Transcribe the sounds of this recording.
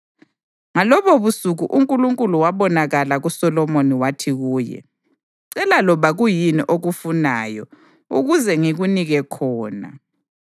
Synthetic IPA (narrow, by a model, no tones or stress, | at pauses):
ŋalɔβɔβusuɣuʔuŋkʼuluŋkʼuluwaβɔnaɣalaɣusɔlɔmoniwatʰiɣuːjɛ̰ | ǀɛlalɔβaɣujiniʔoɣufunaːjɔ̰ | uɣuzɛŋiɣuniɣɛkʰɔːna̰